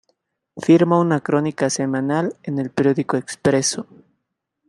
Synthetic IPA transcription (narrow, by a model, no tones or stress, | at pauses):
fiɾmaunakɾo̞nikase̞mãnalene̞lpeɾjo̞ðikoekspɾe̞so